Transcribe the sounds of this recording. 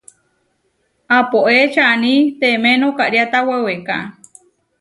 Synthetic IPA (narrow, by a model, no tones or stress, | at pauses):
apoʔet͡ʃanit̪emenokaɾiat̪aweweka